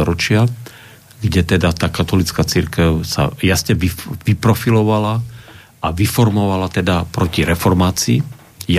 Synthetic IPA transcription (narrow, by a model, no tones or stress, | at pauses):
ɔɾɔt͡ʃɪa | ɡɟɛt̪ɛd̪at̪aːkat̪ɔlit͡skat͡siɾkɛʊsa̰jasɲɛʋiʋipɾɔfilɔʋala | aʋifɔɾmɔʋalat̪ɛd̪apɾɔciɾɛfɔɾmaːt͡siː | j